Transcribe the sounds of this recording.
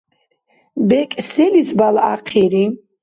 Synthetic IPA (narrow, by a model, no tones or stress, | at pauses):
bɛkʼsɛlisbala̰qʰiɾi